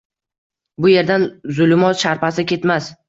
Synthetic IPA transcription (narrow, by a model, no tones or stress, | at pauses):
bʊje̞ɾd̪anzʊlmɒt̪ʃaɾpasɪkʲe̞t̪mas